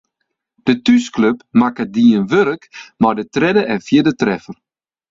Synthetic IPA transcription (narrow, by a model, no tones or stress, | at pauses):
d̥ətyskløpmakədiənʋøɾəkmardətrɪdəʔɛnfjədətrɛfər